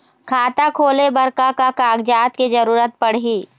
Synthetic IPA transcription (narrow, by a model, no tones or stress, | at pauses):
kʰaːt̪akʰoːlebɐɾkakakaːɡd͡ʒaːt̪kid͡ʒɐɾuːɾət̪̚pɐɽ̤ɦiː